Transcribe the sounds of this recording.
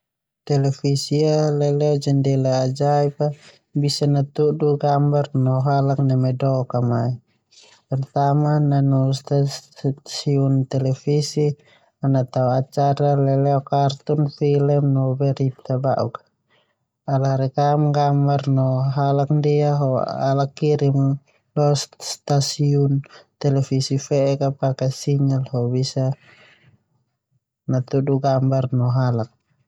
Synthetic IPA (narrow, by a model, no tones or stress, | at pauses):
t̪ɛlɛfisialɛlɛɔd͡ʒɛndɛlaːd͡ʒaipa | bisanat̪uduɡambarnɔɦalak̚namɛdɔkamai | pɛrt̪amananust̪asiunt̪ɛlɛfisi | anat̪auat͡ʃaɾalɛlɛɔkart̪unfilɛmnɔbɛɾit̪abaʔṵk | alahɾɛkamɡambarnɔɦalak̚ndiaɦɔa̰lakːiɾim | lɔsst̪asiɔnt̪ɛlɛfisifɛɛkapakasiŋalhɔbisa | nat̪uduɡambarnɔɦalak̚